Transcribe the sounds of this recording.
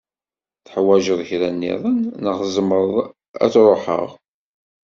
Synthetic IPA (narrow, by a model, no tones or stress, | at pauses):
θħwæʒəðˤçɾænːḭðˤənnəχzˤəmːəɾˤəðˤ | æ̰t͡sɾˤoħə̰ʁ